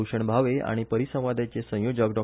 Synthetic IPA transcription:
uʂəɳbʱaʋea̰ɽ̃ipəɾisə̃w̃ʋad̪ʱat͡sesə̃jod͡ʑəkɖɔ

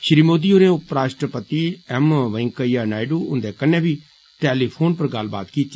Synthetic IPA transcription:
ʃɾiːmoːd̪ioːɾẽːʊpɾaːʃʈɾəpət̪iɛmʋəŋkəijanaːɪɖuːʊnd̪eːkənːẽːbʱiː | ʈɛːliːpʰoːnpəɾɡalba̰ːt̪kiːt͡ʃ

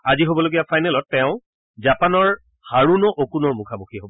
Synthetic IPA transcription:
aziɦobɔloɡijafʰajnɛlɔtːɛʊ̃ | zapanɔɹ | haɹunɔʔokunɔɹmukʰamukʰiɦobɔ

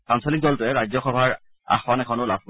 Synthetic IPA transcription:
pansɔlik̚dɔltʊɛɹajzɔxɔbʱaɹ | a̰xwanɛkʰɔnʊlab̚ʰʱk

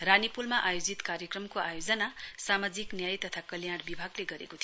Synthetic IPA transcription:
ranipulmaʔajod͡zit̪kaɾjʌkrʌmkoʔajod͡zʌnasamad͡ziknjajt̪ʌt̪ʰakʌljaɽbibʱaɡleɡʌɾḛkot̪ʰi

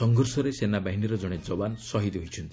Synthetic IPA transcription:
ɔŋɡʱɔɾsɔɾesenabaɦiniɾɔd͡ʒɔɽ̃ed͡ʒɔbansɔɦid̪ɦoit͡ʃʰɔnt̪i

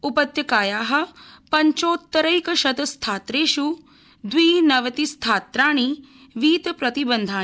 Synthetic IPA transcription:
upɐt̪jɐkaːjaːɦɐ̆pɐɲt͡ʃoːt̪ːɐɾɐjkɐʃɐd̪ɐst̪ʰaːt̪ɾeːʃu | d̪ʋiːnɐʋɐt̪ist̪ʰaːt̪ɾaːɽ̃i | ʋiːt̪pɾɐt̪ibɐnd̪ʱaː

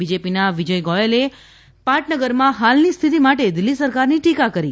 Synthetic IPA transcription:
bid͡ʒepinaʋid͡ʒəjɡɔjele | pãʈnəɡəɾmãɦalnist̪ʰit̪imaʈed̪ɪlːisəɾkaɾniʈikakəɾi

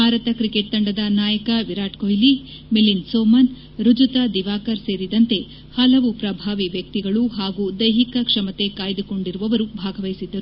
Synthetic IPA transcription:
bʱaːɾɐt̪ɐkɾikeʈ̚d̪ɐɳɖɐd̪ɐnaːjɐkɐʋiɾaːʈkojli | melinsoːmɐn | ɾud͡ʒut̪ad̪iʋaːkɐɾse̞ːɾid̪ɐnt̪e̞ | hɐlɐʋupɾɐbʱaːʋiʋjɐk̚t̪iɡɐɭuɦaːɡud̪ɐjɦikɐkʂɐmɐt̪e̞kaːjd̪uko̞ɳɖiɾuʋɐʋɐɾubʱaːɡʱɐʋɐjsid̪ːɐɾu

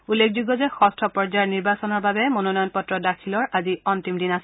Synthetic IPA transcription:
ulːek̚ʰzuɡɔzɛxɔstʰɔpɔɹzaɹniɹbasɔnɔɹbabɛmononɔjɔnpɔtɹɔdakʰilɔɹʔaziɔntimdinasɛ

